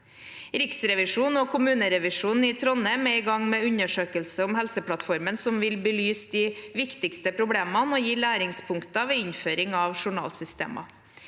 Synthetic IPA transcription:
ɾɪksɾɛʋɪʂuːnɔːkʰʊmʉːnəɾɛʋɪʂuːnɪt̪ʰɾɔnəmeːɪːɡɑŋmɛːʉɲəʂøːkəlsəɔmhɛlsəpʰlɑt̪fɔɾmənsɔmʋɪlbəlyːsd̪ɪʋɪkt̪ɪkst̪əpʰɾʊbleːmɑnɔːjiːlæːɾɪŋspʰʊŋkt̪ɑʋeːɪɲføːɾɪŋɑʋʂʊɳɑ̰ːlsʏst̪ḛːmɑ̰

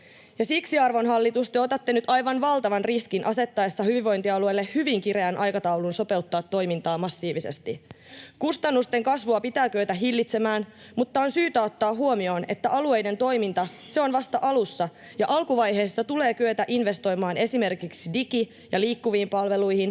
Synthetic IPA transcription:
jɑsiksiɑrʋo̞nɦɑlːit̪ust̪eot̪ɑt̪ːe̞nyt̪ɑjʋɑnʋɑlt̪ɑʋɑnriskinʔɑse̞t̪ːɑesːɑhyʋiʋo̞jnt̪iɑluelːe̞hyʋiŋkiɾeænʔɑjkɑt̪ɑwlunso̞pe̞ut̪ːɑːt̪ːo̞jmint̪ɑːmɑsːiːʋise̞̰st̪i | kust̪ɑnːust̪e̞ŋkɑsʋuɑpit̪æːkøøt̪æɦilːit̪se̞mæːnmut̪ːɑonsyːt̪æot̪ːɑːɦuo̞mio̞ːne̞t̪ːæʔɑlue̞jde̞nt̪o̞jmint̪ɑ | se̞o̞nʋɑst̪ɑʔɑlusːɑ | jɑʔɑlkuʋɑjɦe̞ːsːɑt̪ule̞ːkyøt̪æʔinʋe̞st̪o̞jmɑːne̞sime̞rkiksidiki | jɑliːkːuʋiːmpɑlʋe̞lujhin

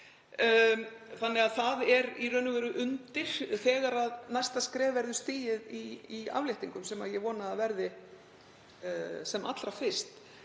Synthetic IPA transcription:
θanːɪɣaðθaðɛɾirœːnʏvɛːɾʏʔʏnt̪ɪr̥θɛːɣaɾaðnajst̪askɾɛːvɛɾðʏst̪ɪːjɪðiia̰vlɪjht̪iŋkʏmsɛːmaðjɛɣvɔːnaːðvɛɾðɪ | sɛma̰t̪lɾafɪ̥st̪

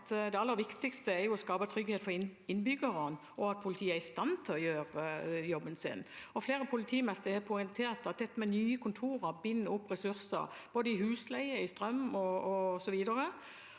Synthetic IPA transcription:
t̪d̪ɛɑlːəɾʋɪkt̪ɪkst̪əɛɾjʊɔskɑːpət̪ʰɾʏɡhet̪fɔɾɪɪnbʏɡəʁən | ɔɑt̪̚pʰʊlɪt̪ʰiːəæɾɪst̪ɑnt̪ʰɪlɔjøːɾjɔbːənsɪ̰nɔfleːɾəpʰʊlɪt̪ʰiːmɛst̪əhɛpʰʊɪnt̪ʰeːɾt̪ɑt̪̚d̪ɛt̪ːmɛnyːəkʰʊnt̪ʰuːɾəɾbɪnːəʊpːʁɛsʉɾsə̰ɾ | b̥oːd̪əɪhʉːslæɪəɪst̪ɾœmɔɔsɔʋiːd̪əɾə

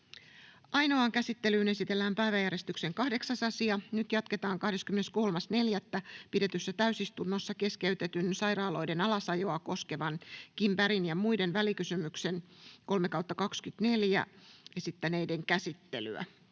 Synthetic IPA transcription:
ʔɑjno̞ɑŋkæsit̪ːe̞lyːne̞sit̪elːæːmpæiʋæjæɾest̪ykse̞ŋkɑhde̞ksɑsɑsiɑnyt̪jɑt̪ke̞t̪ɑːŋkɑhdeskymːenesko̞lmɑsne̞ljæt̪ːæpide̞t̪ysːæt̪æysist̪unːosːɑke̞skeyt̪et̪ynsɑjɾɑːlo̞idenɑlɑsɑjo̞ɑko̞ske̞ʋɑnkimpæɾinjɑmuide̞nʋælikysymykse̞nko̞lme̞kɑwt̪ːɑkɑkskyt̪ne̞ljæ̰esit̪ːænejdeŋkæsit̪ːely̰æ̰

